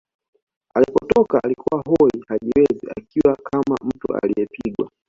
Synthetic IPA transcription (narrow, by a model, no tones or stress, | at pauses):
alipɔtɔkaːlikuwaɦɔihaʄiwɛzḭakiwakʰama̰m̩tṵa̰lijɛpiɡwa